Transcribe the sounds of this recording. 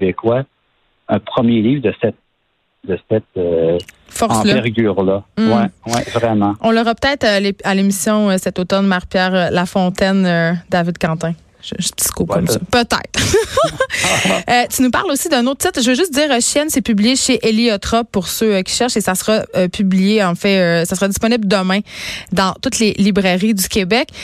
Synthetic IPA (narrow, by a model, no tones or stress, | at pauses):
bekwa | ɛ̃pχəmjelivʁd̪əsɛt̪̚ | d̪əsɛt̪ø | fɔʁslɛʁɡʲyːʁlam̩wɛwɛvʁɛmɑ̃ɔ̃lɔʁɑpø̥t̪ɛːt̪χlealemisjɔ̃əsɛt̪ot̪ɔnmaʁpjɛːʁəlafɔ̃t̪ɛnød̪avɪd̪̚kɑ̃ːt̪ɛ̃ | ʒpt̪i̥t̪kukɔmsɔpət̪ɛ̰ɪt̪χ | øt̪ynupa̰ʁlosid̪ɛ̃not̪̚t̪ɪt̪χʒəvəʒʏst̪̚d̪iːʁəʃjɛnsepyblijeʃeʔeliɔt̪χɔpːuʁsøkʲi̥ʃɛʁʃesasəʁaøpyblijeɑ̃fɛøsasəʁɑd̪ispɔnibld̪əmɛ̃d̪ɑ̃t̪ut̪lelibʁɛʁid̪ykʲebɛk